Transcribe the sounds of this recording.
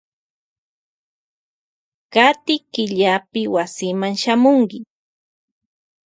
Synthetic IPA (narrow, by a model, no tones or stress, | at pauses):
kat̪ɪkɪʎapɪwasɪmaŋʃamʊŋkɪ